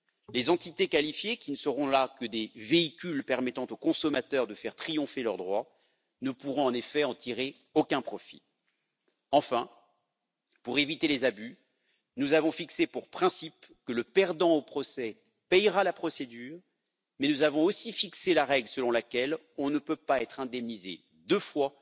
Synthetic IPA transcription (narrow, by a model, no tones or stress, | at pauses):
lezɑ̃t̪it̪ekalifjekʲinəsəʁɔ̃lakəd̪eveikʲylpɛʁmɛt̪ɑ̃t̪okɔ̃sɔmat̪œʁd̪əfɛʁt̪χijɔ̃felœʁd̪ʁwa | nəpuʁɔ̃ɑ̃nefɛɑ̃t̪ʰiʁe | okʲɛ̃pχɔfḭ | ɑ̃fɛ̃ | puʁevit̪elezaby | nuzavɔ̃fiksepuʁpχɛ̃sipkələpɛʁd̪ɑ̃opχɔsɛ | pɛjʁalapχɔsed̪yːʁ | mɛnuzavɔ̃osifikselaʁɛɡlsəlɔ̃lakʲɛl | ɔ̃nəpøpaɛt̪χɛ̃d̪ɛmnize | d̪əfwa